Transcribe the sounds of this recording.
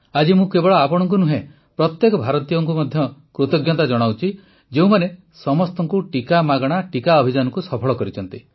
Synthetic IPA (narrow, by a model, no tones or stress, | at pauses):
ad͡ʒimũkebɔɭɔapɔɽ̃ɔŋk̬unuɦẽ | pɾɔt̪jekɔbʱaɾɔt̪ijɔŋk̬umɔd̪ʱjɔkɾot̪ɔɡjɔt̪ad͡ʒɔɽ̃awt͡ʃʰi | d͡ʒeũmane | sɔmɔst̪ɔŋkuʈikamaɡɔɽ̃aʈikaɔbʱid͡ʒanɔŋkusɔpʰɔɭɔkɔɾit͡ʃʰɔnt̪i